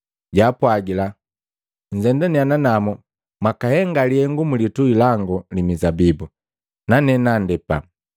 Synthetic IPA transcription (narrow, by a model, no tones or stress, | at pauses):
ɟapwaɡila | ɲ̩d͡ʒɛndɛniananamu | makahɛŋɡaliɛŋɡumulituilaŋɡulimizabibu | nanɛnandɛpa̰